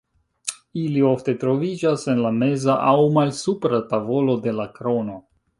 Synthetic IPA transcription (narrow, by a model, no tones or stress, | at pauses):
ilio̞fte̞tɾo̞vid͡ʒase̞nlame̞zaʔawmalsupɾatavo̞lo̞de̞lakɾo̞no̞